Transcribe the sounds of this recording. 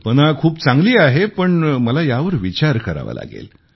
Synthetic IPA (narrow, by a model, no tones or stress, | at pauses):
pənakʰuːpt͡sãŋɡliːaɦepəɳməlajaʋəɾʋit͡ɕaɾkəɾa̰ʋa̰la̰ɡḛl